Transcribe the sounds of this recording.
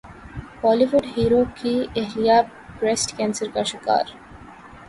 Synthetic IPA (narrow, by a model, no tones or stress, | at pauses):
bɔliʋuɖɦiɾokieɦlija | pɾesʈkɛnsəɾkaʃaka̰ɾ